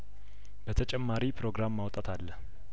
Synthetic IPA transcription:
bət̪ʰət͡ʃʼɛmːaɾipʰɾo̞ɡɾamːawt̪ʼat̪ʰalːəh

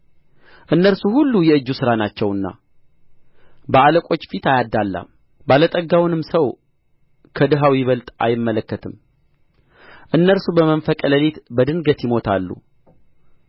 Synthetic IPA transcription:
ʔɨnːəɾsuhulːujɛɨd͡ʒːusɨɾanat͡ʃːɛwɨnːa̰ | bəaləkʷʼo̞t͡ʃːfit̪ajad̪ːalːa̰m | balət̪ʼəɡːawnɨmsəw | kʰəd̪ɨɦawjɪβəlt̪ʼa̰jɪmːələkːət̪ʰɨm | ʔɨnːəɾsubəmənfəkʼələlit̪bəd̪ɨnɡət̪jɪmo̞t̪ʰa̰lːṵ

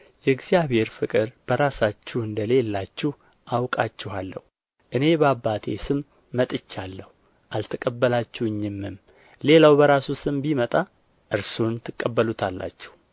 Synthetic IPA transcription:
jɛɡzijaβhe̞ɾfɨkʼɨɾb̥əɾasat͡ʃːɪɨnd̪əle̞lːat͡ʃːɪh | ʔawkʼat͡ʃːɪhalːə̰hu | ʔɨne̞bəabːat̪ʰḛsɨmː | ət̪ʼɨt͡ʃːalːəhu | ʔalt̪ʰəkʼəbːəlat͡ʃːuɨɲːɪmːɨm | le̞lawbəɾasusɨmbimət̪ʼa | ʔɨɾsunt̪ʰːɨkʼːəbːəlut̪ʰalːa̰t͡ʃːɪ̥h

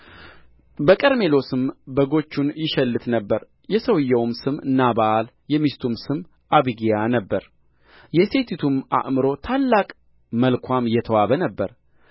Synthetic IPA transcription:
bəkʼəɾme̞lo̞sɨmbəɡo̞t͡ʃːunjɪʃɛlːɨt̪nəbːəɾ | jɛsəwjːɛwmsɨmɨnːabaʔal | jɛmist̪ʰumsɨm | ʔaβiɡijanəbːəɾ | jɛse̞t̪ʰit̪ʰuma̰ʔmɨɾo̞t̪ʰalːakʼ | məlkʰʷamjɛt̪ʰəwaβənəbːəɾ

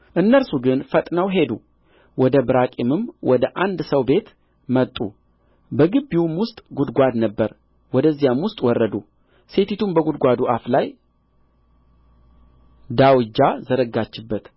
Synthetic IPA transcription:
ʔɨnːəlsuɡɨnfət̪ʼnəwɦe̞d̪u | wɔd̪əbɨɾakʼimɨmwɔd̪əʔand̪səwbe̞t̪ | mət̪ʼu | bəɡɨbːiwmwʊst̪ʼɡud̪ɡʷad̪nəbːəɾ | wɔd̪əzːijamwʊst̪ʼwɔrːəd̪u | se̞t̪it̪ʰumbəɡud̪ɡʷad̪uʔaflaj | d̪awɨd͡ʒːazəɾəɡat͡ʃːɪbːət̪

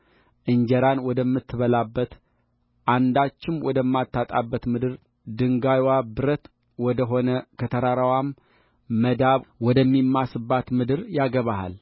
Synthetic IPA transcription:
ʔɨɲd͡ʒəɾanwɔd̪əmːɨt̪ʰːɨβəlabːət̪ | ʔand̪at͡ʃːɪmwɔd̪əmːat̪ʰːat̪ʼabːət̪mɨd̪ɨɾ | d̪ɨŋɡajwabɨɾət̪ | wɔd̪əɦo̞nəkʰət̪ʰəɾaɾawamː | əd̪aβwɔd̪əmːimːasɨbːat̪mɨd̪ɨɾjaɡəβaha̰l

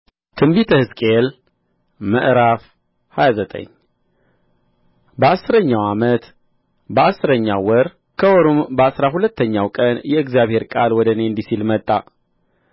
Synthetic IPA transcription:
t̪ʰɨmbit̪ʰəhɨskʼel | məʔɾaf | hajazət̪ʼə̰ɲː | bəasːɨɾəɲːawamət̪ | bəasɨɾəɲːawɔɾ | kʰəwoɾumbəasɾahulət̪ːəɲːawkʼənjɛɨɡzijaβhe̞ɾkʼalwɔd̪əneɨnd̪isilmət̪ʼːa

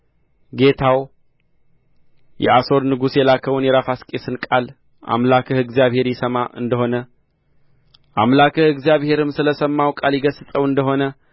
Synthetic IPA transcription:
ɡe̞t̪ʰaw | jʔɛ̰aso̞ɾnɨɡusjɛlakʰəwunjɛɾafaskʼe̞sɨnkʼal | ʔa̰mlakʰɨhɨɡzijaβhe̞ɾjɪsəmaʔɨ̰nd̪əho̞nə | ʔamlakʰɨhɨɡzijaβhe̞ɾɨmsɨləsəmːawkʼaljɪɡəsɨsʼəwɨnd̪əɦo̞nə

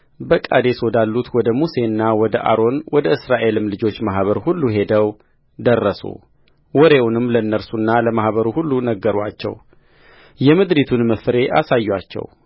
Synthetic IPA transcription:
bəkʼa̰d̪e̞swɔd̪alːut̪wɔd̪əmuse̞nːawɔd̪əʔa̰ɾo̞nwɔd̪əʔɨsɾaʔe̞lɨmlɨd͡ʒo̞t͡ʃːmaɦβəɾhulːuɦe̞d̪əw | d̪ərːəsṵ | wɔɾe̞wunɨmːlənːəɾsunːaləmahβəɾuhulːunəɡːəɾat͡ʃːɛ̰w | jɛmɨd̪ɾit̪ʰunməfɾe̞ʔa̰sajːat͡ʃːɛ̰w

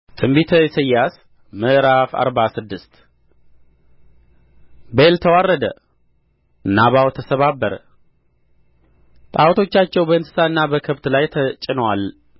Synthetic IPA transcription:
t̪ʰʼɨmbit̪ʰəjsəjːas | məʔɾafa̰ɾbasɨd̪ːɨst̪ | belt̪ʰəwarːəd̪ə | ɨnːaβawt̪ʰəsəβabːəɾ | t̪ʼawt̪ʰo̞t͡ʃːat͡ʃːɛwbəɨnsɨ̥saɨnːabəkʰəβt̪lajt̪ʰət͡ʃʼɪnwal

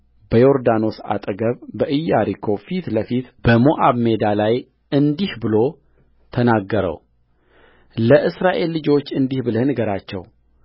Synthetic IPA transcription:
b̥əjoɾd̪ano̞sa̰t̪ʼəɡəβbəʔɨjːaɾikʰo̞fit̪ləfit̪b̥əmoʔaβmed̪alaj | ɨnd̪ihbɨlo̞ | t̪ʰənaɡːəɾə̰w | ləʔɨsɾaʔe̞lːɨd͡ʒo̞t͡ʃːɨnd̪ihbɨləhnɡəɾat͡ʃːɛ̰w

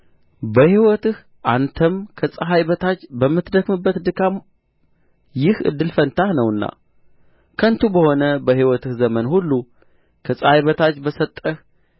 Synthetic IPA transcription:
bəhiwɔt̪ɨh | ʔant̪ʰəmkʰəsʼəɦajβət̪ʰat͡ʃːbəmːɨt̪d̪əkmɨbːət̪d̪ɨkʰam | jɪhʔɨ̰d̪ːɨlfənt̪ʰahnəwɨnːa̰ | kʰənt̪ubəho̞nəbəhiwɔt̪ɨhzəmənhulːu | kʰəsʼəhajβət̪ʰat͡ʃːbəsət̪ʼːəh

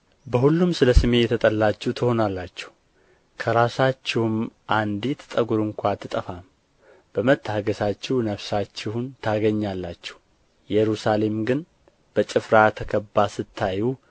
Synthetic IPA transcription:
bəhulːumsɨləsɨme̞jɛt̪ʰət̪ʼəlːat͡ʃːɛht̪ʰɨho̞nalːat͡ʃːɛ̥hu | kʰəɾasat͡ʃːɛhumʔand̪it̪ʰt̪ʼəɡuɾɨŋkʷat̪ʰːɨt̪ʼəfam | b̥əmət̪ʰːaɡəsat͡ʃːɛhnəfsat͡ʃːɪhunt̪ʰaɡəɲːalːat͡ʃːɛ̥h | jɛɾusale̞mɡɨn | b̥ət͡ʃʼɪfɾat̪ʰəkʰəbːasɨt̪ʰːaju

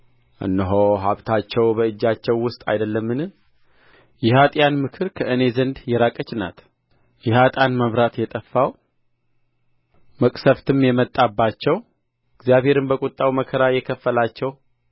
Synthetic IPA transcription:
ʔɨ̰nːɨɦoɦaβt̪ʰat͡ʃːɛwbəɨd͡ʒːat͡ʃːɛwːʊst̪ʼa̰jd̪əlːəmːɨnɨ | jɛhat̪ʼjanmɨkʰɨɾkʰəɨne̞zənd̪jɛɾakʼət͡ʃːna̰t̪ | jɛhat̪ʼanməβɾat̪jɛt̪ʼəfːaw | məkʼsəft̪ʰɨmjɛmət̪ʼːabːat͡ʃːɛw | ɨɡzjaβhe̞ɾɨnbəkʼʊt̪ʼːawməkʰəɾajɛkʰəfːəlat͡ʃːɛw

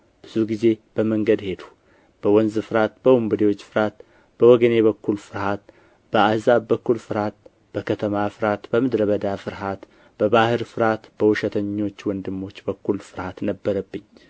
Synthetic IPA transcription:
b̥ɨzuɡize̞b̥əməŋɡəd̪he̞d̪u | b̥əwɔnzɨfɨɾat̪b̥əwumbɨd̪ewo̞t͡ʃːfɨɾat̪ | b̥əwɔɡəne̞βəkːulfɨɾhat̪ | b̥əazaβbəkːulfɨɾhat̪̚ | b̥əkʰət̪ʰəmafɨɾat̪bəmɨd̪ɾəβəd̪afɨɾɦat̪ | b̥əbahɨɾfɨɾat̪b̥əwuʃɛt̪ʰəɲːo̞t͡ʃːwɔnd̪ɨmːo̞t͡ʃːbəkːulfɨɾhat̪nəbːəɾəbːɨɲː

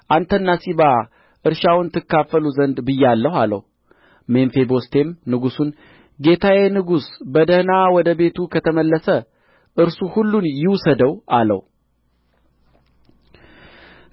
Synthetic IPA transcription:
ʔant̪ʰənːasiβa | ʔɨɾʃawnt̪ʰɨkːafəluzənd̪bɨjːalːəhalə̰w | me̞nfe̞bo̞st̪ʰe̞mnɨɡusun | ɡe̞t̪ʰawenɨɡusbəd̪əhnawɔd̪əbe̞t̪ʰukʰət̪ʰəməlːəsə | ʔɨɾsuhulːunjɪwsəd̪əwʔalə̰w

